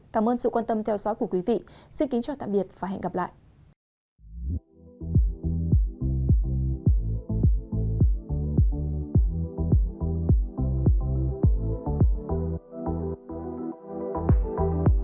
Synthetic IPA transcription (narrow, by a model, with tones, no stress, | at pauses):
kaː˧˩mʔəː˧nsɨ̰˧˨kwaː˧nt̪ə˧mt̪ʰɛ˧wzɔ̰˨˦jku˧˩əkwi˨˦vḭ˧˨si˧nki˨˦ŋt͡ɕaː˨˩wt̪a̰ː˧˨ɓi˨˩ət̚vaː˨˩ɦɛ̰˧˨ŋ̟ɣa˨˩p̚la̰ː˧˨jʔ